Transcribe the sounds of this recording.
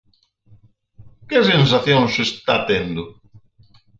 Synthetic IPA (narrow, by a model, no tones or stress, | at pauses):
kɪsẽns̬aθjõŋsest̪at̪end̪ʊ